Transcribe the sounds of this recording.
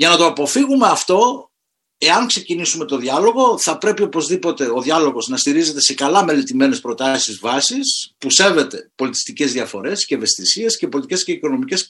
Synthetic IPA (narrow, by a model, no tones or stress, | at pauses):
ʝɐnɐt̪o̞ɐpo̞fiɣume̞ɐft̪o̞ | e̞ɐŋkse̞cinisume̞t̪o̞ðʝɐlo̞ɣo̞θɐpɾe̞pio̞po̞zðipo̞t̪e̞o̞ðjɐlo̞ɣo̞znɐst̪iɾize̞t̪e̞se̞kɐlɐme̞let̪ime̞ne̞spɾo̞t̪ɐsizvɐsispuse̞ve̞t̪e̞po̞lit̪i̥st̪ice̞zðiɐfo̞ɾe̞sceeve̞st̪isiescepo̞lit̪ice̞sceiko̞no̞mice̞s